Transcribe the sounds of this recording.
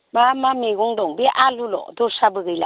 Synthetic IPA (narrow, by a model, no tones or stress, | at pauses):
mamamikuŋdoŋbiʔalulɔ̰t̪uʃabuɣila̰